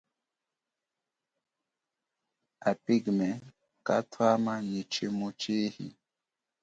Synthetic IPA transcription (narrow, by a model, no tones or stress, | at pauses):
apiɡmɛ | katʰwamaɲit͡ʃemut͡ʃihḭ